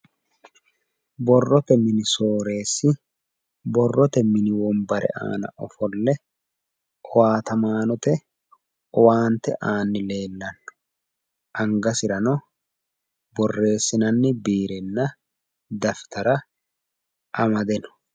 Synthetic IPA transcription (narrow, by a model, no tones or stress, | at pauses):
bɔrːɔt̪ɛmɪnɪso̞ːɾe̞ːsːɪ | bɔrːɔt̪ɛmɪnɪwɔmbɐɾʔɛ̰ʔa̰ːnɐ̰ʔɔfɔlːɛ | ɔwaːt̪ɐmaːnɔt̪ɛ | ɔwaːnt̪ɛʔaːnːɪle̞ːlːɐnːɔ̥ | ʔɐŋɡɐsɪɾɐnɔ | bɔrːe̞ːsːɪnɐnːɪbiːɾɛnːɐ | d̪ɐft̪ɐɾɐ | ɐmɐd̪ɛnɔ̥